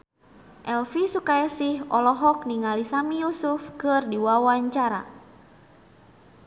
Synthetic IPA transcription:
ʔɛlfisukajasihɔlɔɦɔk̚niŋalisamijusufkɨrdiwawaɲt͡ʃaɾa̰

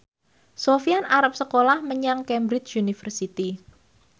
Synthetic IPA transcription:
sofianaɾap̚səkolahməɲaŋkɛmbɾɪt͡ʃunifərsit̪i

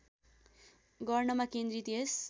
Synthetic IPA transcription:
ɡʌrnʌmakend̪ɾit̪es

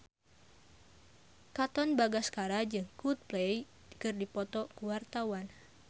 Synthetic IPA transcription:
kat̪ɔnbaɡaskaɾad͡ʒɨŋkut̪̚plej | kɨrdipɔt̪ɔkuwart̪awan

